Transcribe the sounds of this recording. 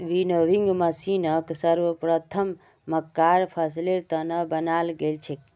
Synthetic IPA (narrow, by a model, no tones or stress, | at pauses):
ʋinoʋiŋɡməsinəksəɾʋəpɾət̪ʰəmː | əkːaɾpʰəsleɾt̪ənəbənalɡelt͡ʃʰek